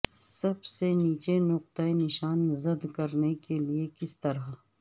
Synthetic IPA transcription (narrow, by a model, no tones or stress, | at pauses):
sɐbseniːt͡ʃenʊqt̪əenɪʃaːnzɐd̪kɐɾnekeliekɪst̪ɐɾa